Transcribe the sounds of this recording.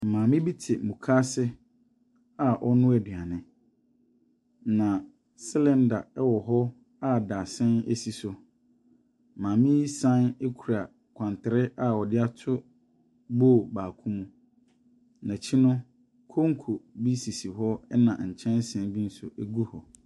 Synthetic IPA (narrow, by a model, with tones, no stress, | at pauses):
m̩˨mã˨mɪ̃˦bi˦tʰɪ˨mũ˨kʰa˦sɪ˦ | a˨ʔɔ˦nʊ̃˦ɛ˨dɥa˨nɪ̃˦ | nã˨ | sɛ˦lɛ̃˦nda̰˨ɛ˦wɔ˨ɦɔ˦ | a˦da˨sɪ̃˦nḛ˦si˨sʊ˨ | mãː˨mɪ̃˦i˦sã˦ne˦kʰu˨ɾa˨ | kʷʰã˨ntʰɪ˨ɾɪ˦ʔa˦˨ɔ˨dɪ˦a˦tʰʊ˦ | boː˦˨baː˨kʰũ˦mũ˦ | nã˨t͡ɕʰi˦nʊ̃˦ | kʰo˦ŋ˦kʰo˨bi˦si˨si˨ɦɔ˦ɛ˦nã̰˨ɲ̩˨t͡ɕʰɛ̃˦n˦sɛ̃˨n˦bi˦n̩˦sʊ˨ʔe˦ɡu˦hɔ˨